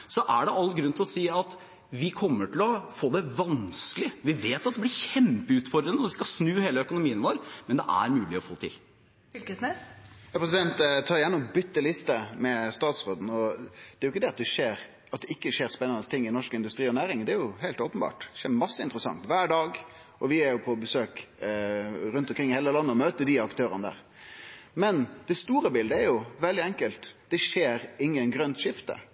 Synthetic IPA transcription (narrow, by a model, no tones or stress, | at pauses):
sɔʔæɖɛʔɑlːɡɾʉnt̪ɪlɔsiːɑt̪ | ʋɪkʰɔmːəʈʰɪlɔfoːd̪ɛʋɑnsklɪʋɪʋeːt̪ɑt̪̚d̪ɛblɪɾçɛmpəʉːt̪fɔɾd̪ɾənəɔʋɪskɑsnʉːheːləœkʊnʊmiːənʋoːɾmɛnd̪ɛʔæ̰ɾmʉːlɪɔfoːt̪ʰɪ̰l | fʏlkəsnɛsjɑpʰɾɛs̬ɪd̪ɛnt̪t̪ʰːɑːɾɪjɛnːʊmbʏt̪ːəlɪst̪əmɛst̪ɑːt̪sɾoːd̪n̩ɔd̪̥ɛæɾjʊɪçːəd̪ɛɑt̪̚d̪ɛʂeːɾ | ɑt̪̚d̪ɛɪkːəʂeːɾspɛnːɑnəst̪ʰɪŋːɪnɔʂkɪnd̪ʉst̪ɾiːɔnæːɾɪŋd̪ɛæɾjʊhæɪlt̪oːpənbɑ̰ːʈʃeːmɑsːəɪnt̪ɾəsɑ̰ŋt̪ʋæːɖɑːɡ | ɔʋɪæɾjʊpʰɔbəsøːk | ɾʉnt̪ɔmkʰɾɪŋːɪheːləlɑnːəɔmøːt̪əd̪ɪɑkt̪ʰøːɾənəd̪æ̰ːɾ | mɛnd̪̥ɛst̪uːɾəbɪld̪əæɾjʊʋɛld̪ɪɛŋkəlt̪d̪̥ɛʂeːɾɪŋːənɡɾœnt̪ʂɪft̪ə̰